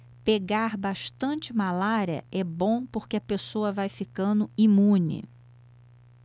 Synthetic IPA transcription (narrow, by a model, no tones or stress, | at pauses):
peɡaɾbaʃt̪ɐ̃t͡ʃɪmalaɾiɐ̰ɛbõw̃poɾkɪɐpesoɐvajfikɐ̃nd̪ʊimũnɪ̰